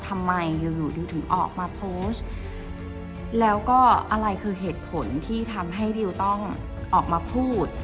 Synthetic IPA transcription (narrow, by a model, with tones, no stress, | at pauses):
t̪ʰa˧mːa˧jːuː˧˩juː˨˩duː˧t̪ʰɯ˩˦ŋʔɔ̰ː˨˩k̚maː˧pʰoː˦˥st | lɛː˦˥wkɔː˥˩ʔa˧ɾa˧jkʰɯː˧ɦeː˨˩t̪̚pʰo˩˦nt̪ʰiː˥˩t̪ʰa˧mɦa˥˩jdi˧wt̪ɔ˥˩ŋ | ʔɔː˨˩k̚maː˧pʰuː˥˩t̪̚